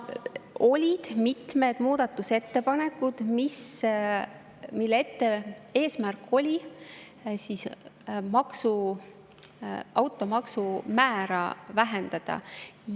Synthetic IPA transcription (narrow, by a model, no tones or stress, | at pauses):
ʔo̞lʲid̪̥mit̪me̞d̪̥muːd̪̥ɑt̪ːˑuse̞t̪ːe̞pɑne̞kːud̪̥mis | milːeet̪ːe̞e̞ːsmærkːˑo̞lʲi | siːsmɑksu | ɑwt̪ːˑo̞mɑksumæːɾɑ̰væɦe̞nd̪̥ɑd̪̥ɑ̰